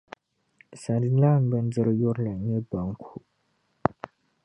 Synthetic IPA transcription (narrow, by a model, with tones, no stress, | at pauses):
sa˨di˦la˦˨ŋ˦bɛ˦n˦d͡zə˦ɾjo˦ɾla˨ɲe˦ba˨ŋ˦kʰu˨